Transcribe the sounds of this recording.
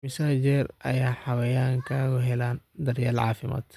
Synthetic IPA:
mɪsaːd͡ʒɛrʔɐ̰jaːħɑwɐjaːŋkʰaːɣʊɦɛlaːnd̪ɐrjaːlʕɑ̰ːfɪma̰ːd̪

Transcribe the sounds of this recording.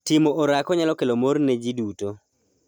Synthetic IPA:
tɪmoʔoɾakɔɲalɔkelomornɛd͡ʒiduto

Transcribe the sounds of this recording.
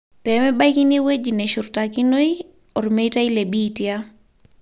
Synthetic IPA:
pɛmɛbajkiniwed͡ʒinɛʃuɾtakinoj | ɔɾmejtajlebiːtija

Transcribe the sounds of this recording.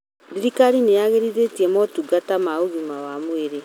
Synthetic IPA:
diɾikaɾinejaɣeɾiðetiɛmɔtuɡatamaoɣimawamweɾe

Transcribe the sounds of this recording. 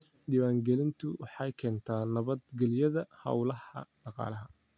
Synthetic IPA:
ɖiːwaːŋɡɛlɪnt̪ʰʊwɑħɑjkʰɛːnt̪ʰaːnɐβɐd̪ɡɛljɐðɐhɐ̰wlɐhɐ̰ɖɑqɑ̰ːlɐɦɐ

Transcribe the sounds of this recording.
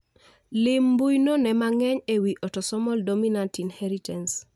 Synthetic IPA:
lɪmbujnonɛmaŋɛɲewiʔɔtɔsɔmɔldominantinhɛɾitans

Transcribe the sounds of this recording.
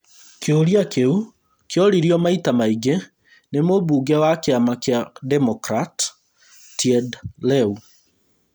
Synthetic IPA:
keoɾiakeu | keɔɾiɾiɔmaitamaiɡe | nemobuːɡɛwakeamakeadɛmɔkɾat | tiɛdlɛu

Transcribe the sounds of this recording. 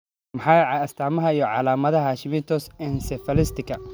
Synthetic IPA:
mɐħɑjʕɐst̪ʰaːmɐɦɐijɔʕɑ̰laːmɐðɐɦaːʃɪmɪt̪ʰɔsɛnsɛfɐlɪst̪ʰɪkʰɐ

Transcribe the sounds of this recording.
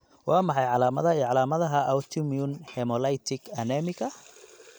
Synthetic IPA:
wɑːmɑħɑjʕɑlaːmɐðɐiʕɑlaːmɐðɐɦɐʔɐwt̪ʰɔmiʊnhɛmɔlɐjt̪ʰɪkɐnɛmɪkɐ

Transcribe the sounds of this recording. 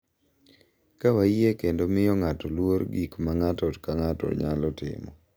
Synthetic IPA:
kawaekendomɪjɔŋatɔlwoɾɡikmaŋatɔtkaŋatɔ̰ɲalɔtɪ̰mɔ̰

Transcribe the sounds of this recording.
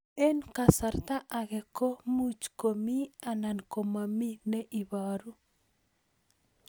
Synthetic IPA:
ɛnkasart̪aʔaɣɛkomut͡ʃkomianankomaminɛʔiβaɾu

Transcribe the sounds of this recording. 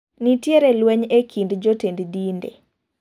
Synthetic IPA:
nitjeɾɛlwɛɲekʰindd͡ʒotenddindḛ

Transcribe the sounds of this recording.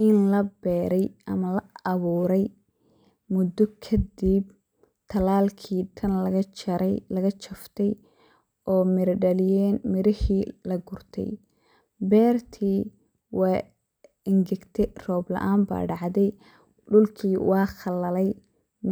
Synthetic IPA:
ɪnlɐbɛːɾɛjʔɐmɐlɐɐβuːɾɛj | mʊd̪ɔkʰɐd̪ib | t̪ʰɐlaːlkʰiːt̪ʰɐnlɐɣɐt͡ʃɐɾɛlɐɣɐt͡ʃʰɐft̪ʰɛj | ɔːmɪɾɖɐlɪjɛːnmɪɾɪhiːlɐɡʊrt̪ʰɛ̰j | bɛːrt̪ʰiː | wɑː | ɪŋɡɛɡt̪ʰɛrɔːblɐ̰ʔaːmba̰ːɖɑʕd̪ɛj | ɖʊlkʰiːwɑːχɑlɐlɛj

